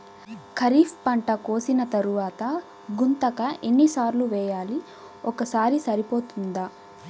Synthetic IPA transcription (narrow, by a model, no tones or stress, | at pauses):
kʰɐɾiːfpɐɳʈɐkoːsinɐt̪ɐɾuʋaːt̪ɐ | ɡunt̪ɐkɐʔenːisaːɾluʋɛːjaːli | ɔkɐsaːɾisɐɾipo̞ːt̪und̪aː